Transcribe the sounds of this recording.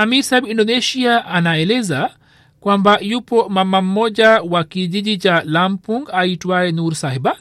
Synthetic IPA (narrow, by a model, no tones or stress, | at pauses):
amiɾsabindɔnɛʃiaʔanaɛlɛza | kwambajupɔmamam̩ːɔʄawakiʄiʄit͡ʃalampuŋɡaitwaɛnuɾsahɛba